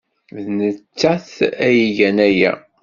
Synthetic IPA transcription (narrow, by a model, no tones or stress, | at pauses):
vðnət͡sːæθæjiʝænæjæ̰